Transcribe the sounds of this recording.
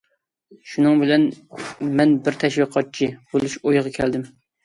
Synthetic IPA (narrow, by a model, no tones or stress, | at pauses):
ʃunɨŋbɪlɛnmɛnbɪɾt̪ʰɛʃwiqʰɑt̪̚t͡ʃʰib̥olˠuʃojʁɑkʲʰɛld̪ɪm